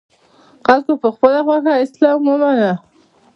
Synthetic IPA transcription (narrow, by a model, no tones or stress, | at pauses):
xalkopəxpəlaxwaxaɪslɑmwomana